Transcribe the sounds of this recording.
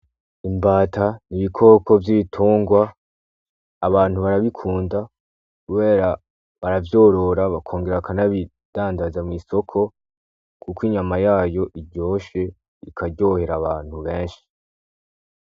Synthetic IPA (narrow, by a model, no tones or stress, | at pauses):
imbaːtʰaniβikʰo̞ːkʰo̞vjitʰuːŋɡwa | βaːn̥huβaɾaβikʰuːnda | kuβe̞ːɾa | βaɾavjo̞ːɾo̞ɾaβakʰo̞ːŋɡeɾakʰanaβi | d̥aːndazamŋiːso̞kʰo̞ | kukwiɲamajaːjo̞ʔiɾɟoːʃe̞ | ikʰaɟo̞ːhe̞ɾaβaːn̥huβe̞ːɲʃi̥